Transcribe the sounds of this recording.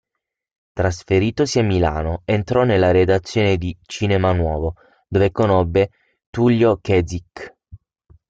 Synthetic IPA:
t̪ɾasfeɾiːt̪osiamːila̰ːnoent̪ɾɔnːelːaɾed̪at̪sːjoːned̪it͡ʃinemanwɔːvo | d̪ovekonobːe | t̪uljokɛzik

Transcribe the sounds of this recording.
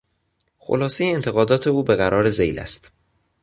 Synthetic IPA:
xo̰lɒːse̞jeːnt̪ʰe̞ɣɒːd̪ɒːt̪ʰe̞uːbe̞ɣæɾʔɒːɾe̞zejlæ̰st̪

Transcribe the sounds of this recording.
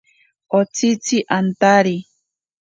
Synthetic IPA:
ot͡sit͡siʔant̪aɾi

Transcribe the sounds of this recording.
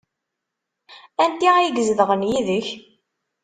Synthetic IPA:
ænt̪iæjəɡəzðəʁənjiðəç

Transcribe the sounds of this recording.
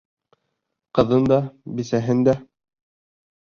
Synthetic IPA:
qɤ̆ðɤnd̪ɑbɘ̆sæɦɘnd̪æ

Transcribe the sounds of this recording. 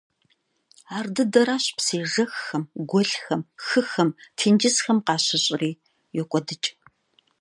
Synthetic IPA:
aːrdɨdɐɾaːɕpseːʒɐxːɐmɡʷɔɬxɐmxɨxɐmtʰiːnd͡ʒɪsxɐmqɑːɕɐɕʼɪriː | jɛkʷʼɔdɨt͡ʃʼ

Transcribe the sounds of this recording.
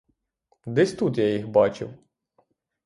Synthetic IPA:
d̪ɛsʲt̪ut̪jajixbɑt͡ʃɪ̰w

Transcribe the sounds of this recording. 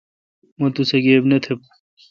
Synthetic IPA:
mɐ̃t̪useɡeːbnet̪ʰep̚

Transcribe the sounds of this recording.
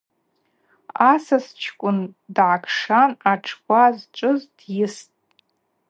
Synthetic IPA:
asast͡ʃʰkʷʼʊndʕakʰʂanaʈ͡ʂʰkʷʼazt͡ʃʷʼɨzdjɪstʼ

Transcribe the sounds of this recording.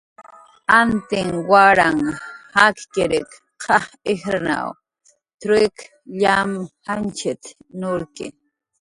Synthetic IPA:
ant̪ɪŋwaɾaŋhakkeɾɪk | qʰɑhexɾana̰w | t̪ɾek | ʎamhant͡ʃɪt̪nʊɾkɪ̰

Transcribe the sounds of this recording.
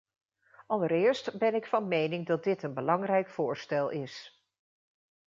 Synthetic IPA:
ɑlˠəɾɪːɹstbɛnɪkfɑnmejnɪŋdɑd̚dɪtənbəlɑŋrɛjkfʊːɹstɛlˠʔɪs

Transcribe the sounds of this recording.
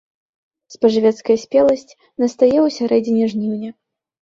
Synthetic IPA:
spɐʐɨvʲɛt̪skɐjɐsʲpʲɛlˠɐsʲt͡sʲ | nɐst̪ajɛwsʲaɾɛd͡zʲinʲɛʐnʲiwnʲɛ

